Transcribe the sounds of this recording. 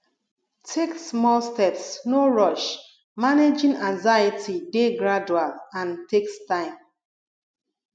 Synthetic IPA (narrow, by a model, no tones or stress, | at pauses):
tʰeksmɔlstɛpsnoɹɔʃ | maned͡ʒĩnãŋzaitʰideɡɹad͡ʒualãntʰekstãɪ̃m